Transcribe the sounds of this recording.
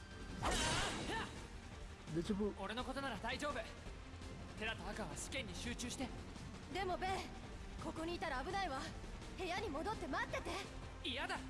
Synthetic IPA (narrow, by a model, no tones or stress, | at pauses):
a | desibɯo̞ɾe̞no̞ko̞t̪o̞naɾad̪aiʑo̞ːbɯ̟ | t̪e̞ɾat̪aakaβasɨ̥kẽ̞ɲ̟ːiɕɨːt͡ɕɨːɕi̥t̪e̞ | d̪e̞mo̞be | ko̞ko̞ɲ̟iːt̪aɾaːbɯ̟naiβa | he̞jaɲ̟imo̞d̪o̞t̪ːe̞mat̪ːe̞t̪e̞ | ijad̪a